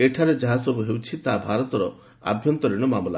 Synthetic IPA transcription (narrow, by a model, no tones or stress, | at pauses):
eʈʰaɾed͡ʒaɦasɔbuɦewt͡ʃʰit̪abʱaɾɔt̪ɔɾɔ | a̰bʱjɔnt̪ɔɾiɽ̃ɔmamɔla̰